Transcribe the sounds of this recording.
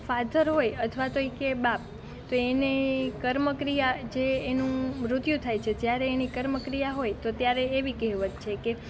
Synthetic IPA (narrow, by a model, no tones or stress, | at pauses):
fad̪ʱəɾɦojət̪ʰʋat̪oikebap̚ | t̪oenekəɾməkɾijad͡ʒeːnũmɾʊt̪jũt̪ʰajt͡ʃʰet̪jaɾeːnikəɾməkɾijaɦojt̪ot̪jaɾeːʋikɛɦʋət̪t͡ʃʰeke